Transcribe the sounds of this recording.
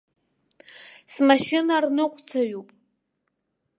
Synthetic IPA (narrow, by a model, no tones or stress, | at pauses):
smaʃɪnarnɨqʷʼt͡sʰaɥupʼ